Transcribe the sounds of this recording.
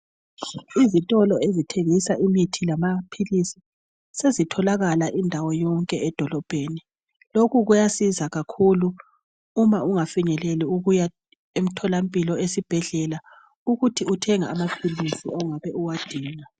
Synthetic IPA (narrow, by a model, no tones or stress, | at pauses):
izitʼɔlɔezitʰeŋisaʔimitʰilamapʰilisi̥ | sezitʰɔlaɣalaʔindʱawɔjɔŋkʼɛɛd̥ʱɔlɔb̥ʱeːni | lokuɣujasizaɣakʰuluː | mauŋafiɲɛleliuɣuja | em̩tʰɔlampʼilɔesib̥ʱɛɮɛla | uɣutʰiutʰɛŋa̰ːmapʰilisḭauŋaβɛʔuwad̥ʱiːna